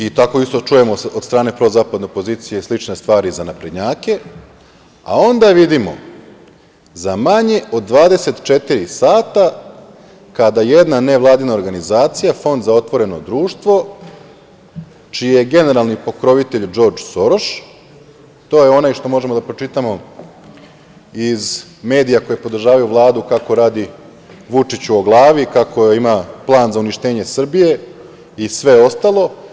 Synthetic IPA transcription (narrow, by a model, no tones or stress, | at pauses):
it̪ako̞ist̪ot͡ʃuje̞mood̪st̪ɾaːne̞pɾo̞zaːpad̪nopo̞ziːt̪sijeslit͡ʃne̞st̪ʋaːɾizanapɾed̪ɲaːke̞ | a̰o̞nd̪aʋid̪imo̞̰ | zamaɲe̞ʔo̞d̪̚ːʋaːd̪e̞se̞t̪t͡ʃe̞t̪iɾisaːt̪a | kad̪aje̞d̪naneʋlˠaːd̪inao̞ɾɡanizaːt̪sijafo̞nd̪zao̞t̪ʋo̞ɾe̞no̞d̪ɾuːʃt̪ʋo̞ | t͡ʃijejeɡe̞ne̞ɾalˠnipo̞kɾo̞ʋit̪e̞ʎd͡ʒo̞ɾd͡ʒso̞ɾoʃ | t̪o̞jeo̞naːjʃt̪o̞mo̞ʒe̞mo̞d̪apɾo̞t͡ʂit̪amo̞ | izme̞ːd̪ijako̞jepo̞d̪r̩ʒaːʋajuʋlˠaːd̪ukako̞ɾaːd̪i | ʋut͡ʂit͡ɕuoɡlˠaːʋikako̞imaplˠaːnzauniʃt̪e̞ːɲe̞sr̩bije̞ | isʋe̞o̞st̪alˠo̞